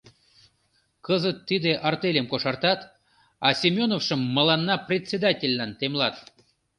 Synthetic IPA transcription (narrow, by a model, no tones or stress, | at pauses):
kəzət̪ːid̪eʔɑrt̪elʲemkoʃɑrt̪ɑt̪ | ɑsʲimʲonofʃə̆mːə̆lɑnːɑprʲet͡sʲːed̪atʲelʲːɑnt̪emlɑt̪